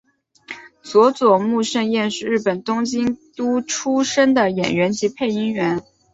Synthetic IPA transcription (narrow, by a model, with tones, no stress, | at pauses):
swɔ˧˥t͡swɔ˨˩mu˥˧ʂə˥˧ŋjɛ˥˧nʂɻ̩˥˧ɻɻ̩˥˩pə˨˩nt̪ʊ˥ŋt͡ɕi˥ŋt̪u˥ʈ͡ʂʰu˥ʂə˥ŋd̪ə˨jɛ̰˨˩nɥɛ˧˥nt͡ɕi˧˥pʰe˥˩ɪi˥ŋɥɛ˧˥n